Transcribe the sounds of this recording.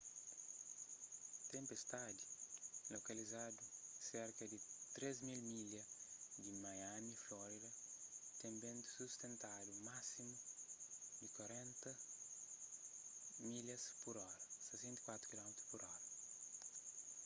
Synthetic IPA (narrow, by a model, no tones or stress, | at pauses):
t̪ẽmpest̪ad̪ilokɐlizad̪useɾkɐd̪it̪ɾezmilmilɐd̪imajamiflɔɾidɐt̪ẽmbẽnt̪u̥sust̪ẽnt̪adumasimu | d̪ikwaɾẽnt̪ɐ | milɐspuɾɔɾɐsesẽnt̪i̥kwat̪ɾukilɔmit̪u̥spuɾɔɾɐ